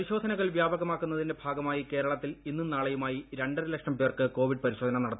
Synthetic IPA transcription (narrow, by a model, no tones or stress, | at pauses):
ɐɾiɕo̞ːd̪ʱɐnɐɣɐɭʋjaːbɐɣɐmaːkːunːɐðindebʱaːɡɐmaːjike̞ːɾɐɭɐt̪ːilinːunaːɭɐjumaːjiɾe̞ɳɖɐrilɐkʂɐmpeːrkɨko̞ːʋiɖ̚pɐɾiɕo̞ːd̪ʱɐnɐnɐɽɐt̪ː